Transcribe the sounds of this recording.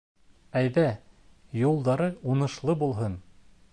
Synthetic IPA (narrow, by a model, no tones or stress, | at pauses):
æjðæjulˠd̪ɑɾɤunɤ̆ʃlˠɤbulˠɦɤn